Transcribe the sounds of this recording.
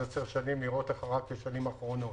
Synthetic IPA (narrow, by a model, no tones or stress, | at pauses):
at͡seʁʃanimiʁot̪aχaʁakeʃanimaχʁo̞no̞